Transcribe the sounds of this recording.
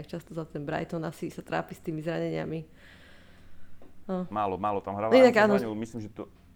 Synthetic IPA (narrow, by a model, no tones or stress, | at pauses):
kt͡ʃast̪ɔzat̪ɛnbɾa̰jt̪ɔnasisat̪ɾa̰ːpist̪iːmizɾaɲɛɲɪa̰mi | amaːlɔmaːlɔt̪amɦɾaʋainaɡaːnɔɛmislimʒɛt̪ɔ